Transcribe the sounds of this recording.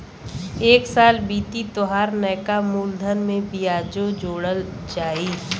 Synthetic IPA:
eːksaːlbiːt̪it̪oɦaːɾnɛːkamuːld̪ʱənmẽbiaːd͡ʒod͡ʒoːɽəld͡ʒaːiː

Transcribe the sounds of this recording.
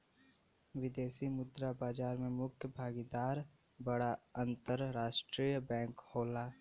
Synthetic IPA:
ʋɪd̪eːsimʊd̪ɾabaːd͡ʒaːɾmẽmʊkʰjəbʱaːɡid̪aːɾ | bəɽaə̃nt̪əɾɾaːʃʈɾiːjəbɛ̃ːŋkhoːlaː

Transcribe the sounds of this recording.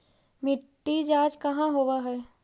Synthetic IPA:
mɪʈːid͡ʒaːd͡ʒkɐɦãɦowaɦɛː

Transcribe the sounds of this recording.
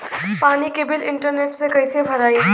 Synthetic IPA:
paːnikeːbɪlɪ̃ɳʈəɾneːʈsekɐisebʱɐɾaːi

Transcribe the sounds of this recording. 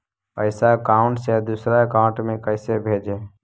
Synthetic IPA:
pəɪsakaʊɳʈsed̪usɾakaʊɳʈmẽkəɪsebʱeːd͡ʒeː

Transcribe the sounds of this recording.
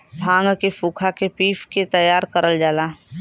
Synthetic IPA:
bʱãːŋɡkefuːkʰakepiːfket̪əjaːɾkəɾəld͡ʒaːlaː

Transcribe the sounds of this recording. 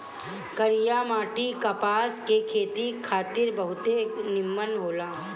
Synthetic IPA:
kəɾɪjamaːʈikɐpaːskekʰeːt̪ikʰaːt̪ɪɾbɐɦʊt̪enɪmːənɦoːlaː

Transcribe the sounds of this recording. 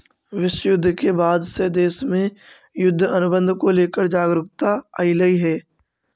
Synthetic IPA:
ʋɪʃjʊd̪ʱːkebaːd̪sed̪eːsmẽ | jʊd̪ʱːɐnʊbə̃nd̪ʱkoleːkəɾd͡ʒaːɡɾʊkt̪aːiləiɦɛː

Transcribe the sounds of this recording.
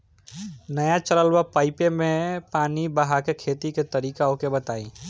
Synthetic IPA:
nəjat͡ʃələlwapaːɪpẽmẽpaːnibəɦakekʰeːt̪iket̪əɾiːkaõkebət̪aːḭ̃ː

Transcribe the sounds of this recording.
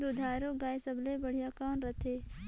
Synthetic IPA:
d̪od̪ʱaːɾoɡaːjsəblebəɽ̤ijakaːʊɳɾət̪ʰeː

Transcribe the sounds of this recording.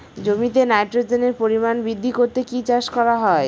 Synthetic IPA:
d͡ʑomit̪enajʈɾod͡ʑeneɾpoɾimanbɾid̪ʱːikoɾt̪ekit͡ɕaʃkɔɾaɦɔe

